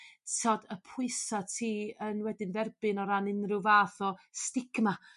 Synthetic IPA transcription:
sʰɔdəpʰʊɨsɔtʰiːənwɛdɪnvɛrbɨnɔɾanɪnrɨvaːθɔstɪɡ̥ma

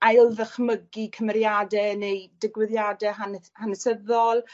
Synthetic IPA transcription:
ajlˠðəχməɡikʰəmɛɾjadɛnejdɪɡwɪðjadɛhanhanəsəðɔlˠ

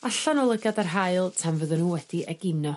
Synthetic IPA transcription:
aɬanɔlˠəɡadarɦaɨlˠtʰamvəðɨnuːwɛd̥iɛɡɪnɔ

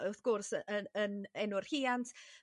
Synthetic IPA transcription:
əθɡ̥ʊrsəəənɛnʊr̥hiːantʰ

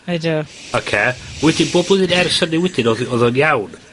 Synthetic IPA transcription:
aɪduɔkʰeːwɛdɪnboːdblˠɛðɪnɛrsənɪwɛdɪnɔɔðɔnjawn

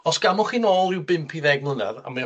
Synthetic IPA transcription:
ɔsɡ̥amʊχiːnoːlˠɪwbɪmpʰiðɛɡmˠənɛ̰ɾa̰ma

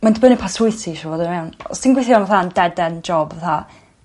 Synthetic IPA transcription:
mandbənipʰasʊɨθiʃɔvoːdənmɛwnɔ̰sd̥inɡwejθianvaθandɛdɛnd͡ʒɔbvaθa

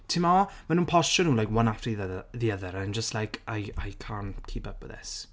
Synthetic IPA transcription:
tʰɪmamanuːnpʰɔsɔnhuːlajkwanafriððiəðəɾaand͡ʒəstlajkʰajajkʰankʰiːpəp̚b̥ə̰ðɛ̰s

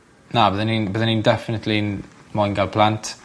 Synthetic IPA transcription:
nabəðəninbəðənindɛfɪnətʰlinmɔjnɡalˠpʰlantʰ

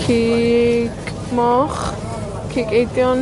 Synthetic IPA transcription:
kʰiː | kʼ | mɔχ | kʰikejdjɔn

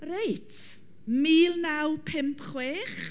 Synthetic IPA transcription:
rejtʰ | miːlˠnawpʰɪmpχweːχ

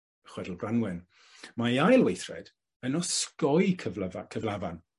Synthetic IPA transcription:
χwɛdl̩ˠbranwɛn | majajlˠwejθrɛ̰d̥ | ənɔskɔjkʰəvkʰəvlˠavan

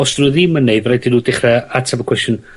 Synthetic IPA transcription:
ɔsd̥rəðiməneɨðrajdinuːdɪχrɛatʰabəkʰwɛstjən

